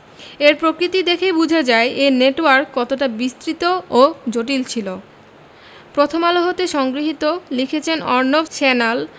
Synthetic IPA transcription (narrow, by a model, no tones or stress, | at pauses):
eɾpɾokɾit̪id̪ekʰebud͡ʑʱad͡ʑaeʔeneʈoaɾkːɔt̪oʈabist̪ɾit̪ood͡ʑoʈ̬ilt͡ɕʰilo | pɾot̪ʰomaloɦot̪eʃɔŋɡɾiɦit̪olikʰet͡ɕʰenɔɾnobt͡ɕɛnel